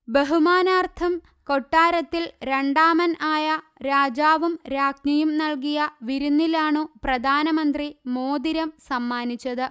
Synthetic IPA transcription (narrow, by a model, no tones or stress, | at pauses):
beɦumaːnaːrt̪ʰɐm | ko̞ʈːaːɾɐt̪ːilɾe̞ɳɖaːmɐnaːjɐ | ɾaːd͡ʑaːʋumɾaːknɐjumnɐlkijɐʋiɾunːilaːɳɨprɐd̪ʱaːnɐmɐnd̪rimoːd̪iɾɐmsɐmːaːnit͡ɕːɐðɨ